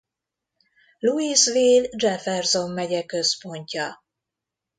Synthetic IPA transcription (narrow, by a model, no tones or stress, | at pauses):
luisviːld͡ʒɛfɛrzo̞mːɛɟɛkø̞spo̞ɲcɒ